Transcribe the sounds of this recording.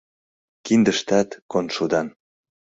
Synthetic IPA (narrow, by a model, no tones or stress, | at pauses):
kind̪əʃt̪æt̪konʃod̪ɑn